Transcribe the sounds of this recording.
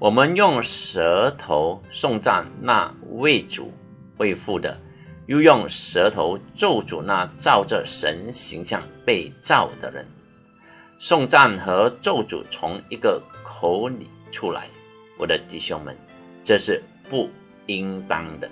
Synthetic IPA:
wʔɔ˨˩mə˦njʊ˥˩ŋʂə˧˥t̪ʰo˧˥ʊsʊ˥˧ŋt͡sa̰˥˧nna̰˥˧we˥˩ɪt͡sṵ˨˩ | we˥˧ɪfu˥˩d̪ə̰˩ | jo˥˧jʊ˥˩ŋʂə˧˥t̪ʰo˧˥ʊt͡so˥˩ʊt͡sṵ˨˩na˥˧t͡sɑ˥˩ʊʈ͡ʂə˨ʂə̰˧˥nɕi˧˥ŋɕjɑ˥˧ŋpe˥˧ɪt͡sɑ˥˩ʊd̪ə̰˩ɻə̰˧˦n | sʊ˥˧ŋt͡sa˥˩nxə˧˥ʈ͡ʂo˥˩ʊt͡sṵ˨˩t͡sʰʊ˧˥ŋi˧˥ɡə˨kʰo˧˥ʊli˨˩ʈ͡ʂʰu˥la̰˧˥ɪ | wɔ˨˩d̪ə˦t̪i˥˩ɕjʊ˥ŋmə̰˨˩˦n | ʈ͡ʂɤ˥˧ʂɻ̩˥˧ | pu˥˩ | i˥ŋt̪ɑ˥ŋd̪ə̰˨

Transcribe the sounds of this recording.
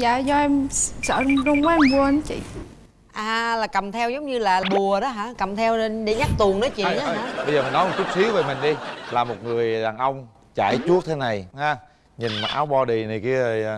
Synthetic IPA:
za̰ː˧˨zɔ˧ʔɛ˧msə̰ː˧˩˨ɗɔ˧ŋ͡mkaː˨˦ʔɛ˧mɓu˧ə˧n˨˦t͡ɕḭ˧˨ | ʔaː˨˩laː˨˩kə˨˩mt̪ʰɛ˧wzə˨˦wŋ͡mɲɨ˧laː˨˩˨ɓu˨˩əɗɔ˨˦ɦaː˧˥kə˨˩mt̪ʰɛ˧wɗe˧˩˦ɲa˦˥k̚t̪u˨˩əŋnə˨˦t͡ɕḭ˧˨nʔa˦˧aː˧˦ɓə˧jzəː˨˩mï˨˩nɔ˨˦˨t͡ɕʊ˦˥k͡p̚si˨˦əve˨˩mï˨˩ŋ̟ɗi˧laː˨˩mo˨˩t̚ŋɨ˨˩əjɗaː˨˩nʔə˧wŋ͡m | t͡ɕa̰ː˧˩jt͡ɕu˦˥ək̚t̪ʰe˨˦na˨˩jhaː˧ | ɲi˨˩nma˨˩ʔaː˨˦wɓɔ˧ɗi˨˩ni˨˩ki˧ə˨˩

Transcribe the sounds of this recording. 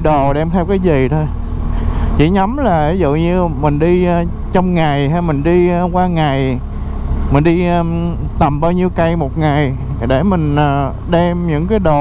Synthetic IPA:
ɗo˨˩ɗɛ˧mt̪ʰɛ˧wkaː˨˦jzi˨˩t̪ʰo˧j | t͡ɕḭ˧˩˦ɲa˨˦mlaː˨˩i˨˦zṵ˧˨ɲɨ˧mï˨˩ŋ̟ɗi˧ | t͡ɕɔ˧wŋ͡mŋa˨˩jɦa˧jmï˨˩ŋ̟ɗi˧kwaː˧ŋa˨˩j | mï˨˩ŋ̟ɗi˧ | t̪ə˨˩mɓaː˧wɲi˧wka˧jmo˨˩t̚ŋa˨˩j | ɗe˧˩mï˨˩ŋ̟ː˨˩ | ɗɛ˧mɲɨ̰˧˥ŋkaː˨˦jɗo˨˩

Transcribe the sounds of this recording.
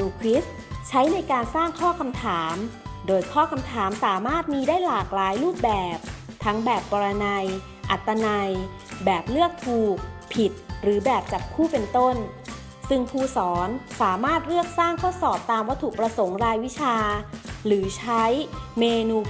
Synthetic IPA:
uː˧kʰɾi˦˥st | t͡ɕʰa˦˥jna˧jkaː˧nsaː˥˩ŋkʰɔː˥˩kʰa˧mt̪ʰaː˩˦mdoː˧jkʰɔː˥˩kʰa˧mt̪ʰaː˩˦msaː˩˦maː˥˩t̪̚miː˧daː˥˩jlaː˨˩k̚laː˨˩˦jluː˥˩p̚bɛː˨˩p̚ | t̪ʰa˦˥ŋbɛː˨˩pːɔː˧ɾa˧na˧j | ʔa˨˩t̪ːa˧na˧j | bɛː˨˩p̚lɯ˥˩ək̚t̪ʰuː˨˩k̚pʰi˨˩t̪̚ɾɯː˩˦bɛː˨˩p̚t͡ɕa˨˩p̚kʰuː˥˩pe˧nt̪o˥˩n | sɯ˧˩ŋpʰuː˥˩sɔː˩˦nsaː˩˦maː˥˩t̪̚ɾɯ˥˩ək̚saː˥˩ŋkʰɔː˥˩sɔː˨˩p̚t̪aː˧mwa˦˥t̪ʰuː˨˩k̚pɾa˧so˩˦ŋɾaː˧jwi˦˥t͡ɕʰaː˧ɾɯː˩˦t͡ɕʰa˦˥jmeː˧nuː˧

